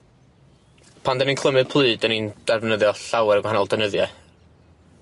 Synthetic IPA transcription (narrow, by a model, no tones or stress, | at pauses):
pʰandəninkʰlˠəmɨð̥pʰlˠɨːdənind̥ɛvnəðjɔɬawɛɾəɡwaanɔlˠd̥ɛnəðjɛ